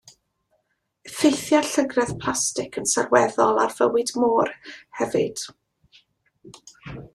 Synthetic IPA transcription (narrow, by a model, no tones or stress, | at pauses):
fejθjaɬəɡrɛð̥pʰl̥ˠastɪkʰənsarwɛðɔlˠa̰rv̥əwɨdmoːrhɛvɨ̰d̥